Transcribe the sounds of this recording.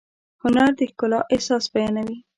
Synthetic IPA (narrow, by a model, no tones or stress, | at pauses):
hʊnaɾd̪ɪhkʊlɑʔehsɑsbajɑnawi